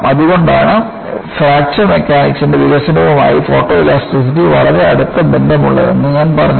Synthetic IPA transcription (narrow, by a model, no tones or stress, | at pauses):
ɐðuɣo̞ɳɖaːɳɨ | fɾaːk̚t͡ɕɐme̞kːaːniksindeʋiɣɐɕɐnuʋɐma̰ːjifo̞ːʈːo̞ːilaːsʈris̬itːiʋɐɭɐɾe̞ɐɽut̪ːɐbendɐmuɭːɐ̰e̞̰nːɨɲaːnpɐrɐɲː